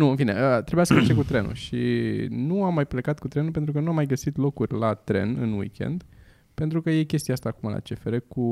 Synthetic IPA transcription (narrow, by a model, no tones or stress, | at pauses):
nuɨnfine̞̰ʔət̪ɾebujasəfat͡ʃekut̪ɾe̞nṵʃḭnuamːajplekat̪kut̪ɾe̞nupent̪ɾukənuamːajɡəsit̪lo̞kurʲlat̪ɾe̞̰nɨ̰nwḭkʲe̞̰nd̪ | pe̞nt̪ɾukəje̞kʲe̞st̪ijaast̪aːkumala̰t͡ʃe̞feɾeku